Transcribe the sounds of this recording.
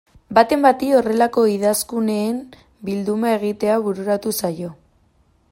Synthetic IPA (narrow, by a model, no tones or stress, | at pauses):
bat̪e̞mbat̪io̞re̞lako̞iðaskune̞ːm | bild̪umae̞ɣ̞it̪e̞aβuɾuɾat̪usajo̞